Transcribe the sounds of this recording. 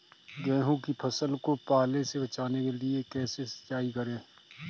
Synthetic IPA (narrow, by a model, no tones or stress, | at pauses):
ɡɛ̃ːɦũkipʰɐsəlkopaːlẽsebɐt͡ʃaːnekeliekɛːsesɐ̥t͡ʃaːikɐɾẽː